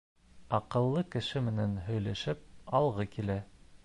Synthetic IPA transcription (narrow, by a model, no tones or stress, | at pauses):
ɑqɤ̆lˠːɤkɘ̆ʃɘmɘ̆nænɦɵ̆jlæʃɘp̚ɑlˠʁɤkilæ